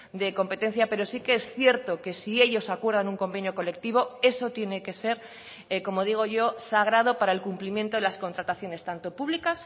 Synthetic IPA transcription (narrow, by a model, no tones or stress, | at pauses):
d̪e̞ko̞mpe̞t̪e̞n̟θjape̞ɾo̞sikeesθje̞ɾt̪o̞ke̞sie̞ʎo̞sakwe̞ɾðanuŋko̞mbe̞njoko̞le̞k̚t̪iβ̞o̞e̞so̞t̪je̞ne̞ke̞se̞ɾ | ko̞mo̞ð̞iɣ̞o̞ʝo̞saɣ̞ɾað̞o̞paɾae̞lkumplimjent̪oelasko̞nt̪ɾat̪aθjo̞ne̞st̪ant̪o̞puβlikas